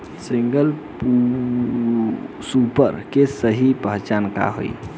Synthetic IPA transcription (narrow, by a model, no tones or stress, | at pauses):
siŋɡəlpu | supə̰ɾkesəɦipəɦt͡ʃanka̰ɦo̰j